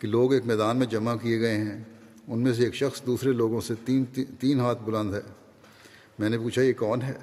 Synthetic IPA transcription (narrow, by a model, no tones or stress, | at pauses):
kiloːɡeːkmɛːd̪aːnmẽd͡ʒɐmakieɡɐeɦɛ̃ː | ʊnmẽs̬eeːkʃɐxsd̪uːsɾeloːɡõseːt̪iːnɦaːt̪̚ʰbʊlə̃nd̪ɦɛː | mɛ̃ːnepuːt͡ʃʰajekɔːnɦɛː